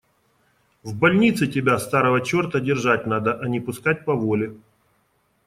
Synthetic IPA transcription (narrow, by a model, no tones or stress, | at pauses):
vbɐlʲnʲit̪sɨtʲɪbʲast̪aɾəvət͡ɕo̞rt̪ədʲɪrʐatʲnad̪əʔɐnʲɪpʊskat̚ʲpɐvolʲɪ